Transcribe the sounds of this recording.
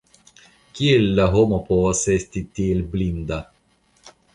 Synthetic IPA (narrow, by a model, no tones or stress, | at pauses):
kielːaɦomopoɐsest̪it̪ːilblind̪a